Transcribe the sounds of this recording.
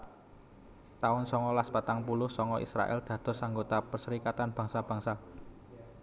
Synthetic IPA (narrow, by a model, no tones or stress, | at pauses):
t̪aʊnsɔŋɔlaspat̪aŋpulʊhsɔŋɔʔḭsɾa̰ʔɛ̰ld̪̥ä̤d̪̥ɔ̤saŋɡot̪apərsəɾikat̪anb̥äŋsab̥ä̤ŋsa